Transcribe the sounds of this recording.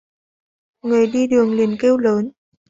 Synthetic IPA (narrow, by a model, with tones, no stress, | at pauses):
ŋɨ˨˩əjɗi˧ɗɨ˨˩əŋli˨˩ənke˧wləː˨˦n